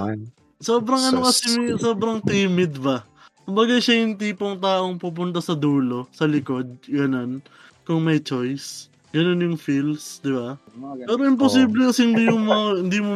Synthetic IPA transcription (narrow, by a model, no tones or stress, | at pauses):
so̞ːbɾɐŋɐno̞kɐsiso̞ːbɾɐŋt̪iːmɪd̪bɐ | kʊmbɐɡaʃajʊŋt̪iːpo̞ŋt̪aːʔo̞ŋpuːp̬ʊnt̪ɐsɐd̪uːlo̞sɐlɪko̞d̪̚ɡɐnon | kʊŋmɐjt͡ʃo̞js | ɡ̥ɐnonjʊŋfilsd̪ɪba | pɛːɾo̞ʔɪmposiːblɛkɐsɛhɪnd̪ijʊŋmɐŋahɪnd̪iːmo